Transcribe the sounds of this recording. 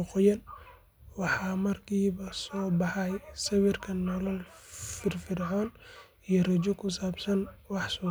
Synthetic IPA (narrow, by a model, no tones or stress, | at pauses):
ʊqɔjɐn | wɑħɑːmɐrkʰiːβɐsɔːbɑħɑjsɐβɪrkʰɐnːɔlɐlfɪrfɪɾħɔːn | ijɔrɐt͡ʃɔkʰʊsaːbsɐnwɑħsɔː